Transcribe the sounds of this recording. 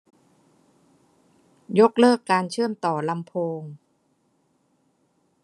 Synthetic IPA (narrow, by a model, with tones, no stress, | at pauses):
jo˦˥k̚lɤː˥˩kːaː˧nt͡ɕʰɯ˥˩əmt̪ɔː˨˩la˧mpʰoː˧ŋ